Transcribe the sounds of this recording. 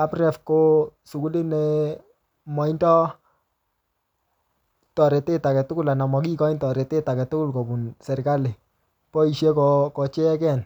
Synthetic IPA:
a˦prɛ˨fko˦sʊ˨ku˦lɪ˦nɛ | mɔ˨i˦ntɔ˦ | tɔ˨ɾɛ˨tɪ˦ta˨kɛ˨tʊ˦kʊ˦la˨na˨mɔ˨k̬i˦kɔ˦i˦ntɔ˨ɾɛ˨tɪ˦ta˨kɛ˨tʊ˦kʊ˦lkɔ˨bu˨nsɛ˨rka˦lɪ˨ | pɔ˦i˨ʃe˦kɔkɔ˨t͡ʃɛ˦ɛ˦kɛ˦˨n

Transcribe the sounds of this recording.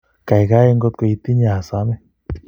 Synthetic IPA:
ka˨jɡa˦je˦˧ŋɡɔ˦˧t̪̚ko˨ji˧t̪i˦ɲa˨a˨sa˨˦mɛ˦

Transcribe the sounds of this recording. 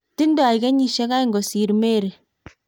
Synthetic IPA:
ti˦ndɔ˦a˨jkɛ˦ɲi˨ʃe˦ka˦i˦ŋɡɔ˨si˨ɾme˦ɾe˨

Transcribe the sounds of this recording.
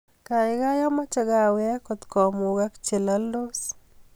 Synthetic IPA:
ka˨ɪ˨ɡa˦jɔ˦ma˦t͡ʃa˨ɡa˦˨wɛ˦kɔ˨t̪kɔ˨mo˨ɡa˦kt͡ʃe˨la˦lo˦s

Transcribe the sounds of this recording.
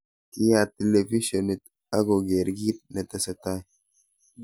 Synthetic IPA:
ki˦ja˨te˨le˨fi˦ʃo˨ni˨t̚ | a˦ɡo˨ɡe˨ɾɡi˦t̚ne˨tɛ˨se˨ta˦j

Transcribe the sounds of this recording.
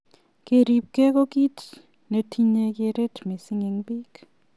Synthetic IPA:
ke˨ɾi˨p̚ke˦ko˦ki˦t | ne˨tʰi˦ɲe˦˧ke˧ɾe˦tme˨si˦ŋi˨ŋbi˦k

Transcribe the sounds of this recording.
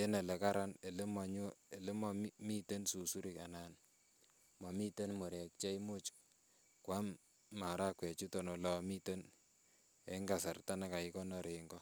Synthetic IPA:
e˦ne˨le˨ka˦ɾa˦ne˨le˦ma˨ɲo˦e˨le˦ma˦mi˦te˦nsu˨su˦ɾi˨ka˨nan | ma˨mi˦te˦nmɔ˨ɾɛ˨k̚t͡ʃa˦i˦mo˦t͡ʃ | kwa˦mː | a˨ɾa˦kwɛ˨t͡ʃu˦tɔ˨no˨lɔ˨mi˦te˦n | eŋɡa˨sa˨rta˦na˦ka˨i˦kɔ˦nɔ˦ɾe˨ŋɡɔ˦

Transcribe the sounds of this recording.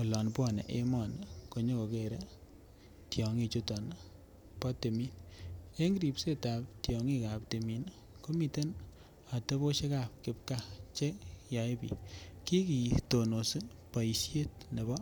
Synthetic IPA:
o˨lɔ˨npɔ˦˨nḛ˨ʔe˦mɔ˨nko˨ɲo˦ko˨ke˨ɾe˦ | tjɔ˨ŋi˦˧t͡ʃu˦tɔ˨n | pɔ˦te˨mi˦ne˦ŋɡɾi˨pse˦ta˨p̚tjɔ˨ŋi˦ka˨p̚te˨mi˨n | ko˦mi˨te˦n | a˨te˦bo˦ʃe˦ka˨p̚kɪ˦p̚ka˦t͡ʃe˦ja˨i˦pḭ˨ki˦ki˨to˨no˨sɨ˦ | pa˨i˨sje˦t̚ne˨bɔ˦

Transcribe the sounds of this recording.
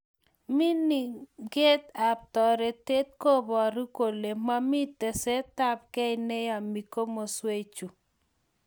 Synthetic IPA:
mi˦ni˨ɡe˦t̪a˨p̚tɔ˨ɾe˨te˦t̪̚ko˦bɔ˨ɾu˦ko˨le˨ma˦mi˦te˨se˦ta˦p̚kɛ˦ɪne˦ja˨mi˨ko˦mo˨swe˦t͡ʃu˨

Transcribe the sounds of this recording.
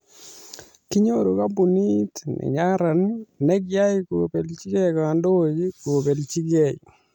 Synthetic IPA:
ki˦ɲoɾo˨ka˦bu˨ni˦tnḛ˨ɲa˦ɾa˨nne˦k̬ja˦i˦kope˨lt͡ʃi˦kɛkando˦d͡ʒi˦ko˨pe˨lt͡ʃi˦kɛ˨

